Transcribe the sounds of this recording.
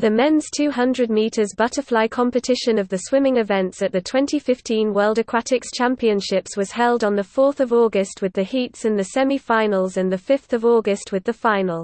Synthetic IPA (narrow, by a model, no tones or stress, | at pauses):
ðəmɛ̃nz̥tʰʉːɦʌ̃ndɹəd̚miˑtʰəzbʌtəflaɪkʰɒ̃mpətʰɪʃə̃nəvðəswɪ̃mɪ̃ŋɪvɛ̃ntsəʔðətʰw̥ɛ̃ntifɪftĩnwɜːlˠdəkʰɹ̥atʰɪkst͡ʃʰãmpiə̃nʃɪpswɒz̥hɛlˠdn̩ðəfɔˑθəvɔːɡəst̚wɪðəhiˑtsə̃nðəsɛmifãɪnəlˠzə̃nðəfɪfθəvɔːɡəst̚wɪðəfãɪ̃nəlˠ